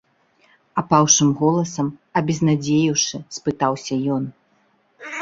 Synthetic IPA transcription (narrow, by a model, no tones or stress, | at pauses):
apawʂɨmɣɔlˠɐsɐmɐbʲɛznad͡zʲejiwʂɨspɨt̪awsʲɐjɔn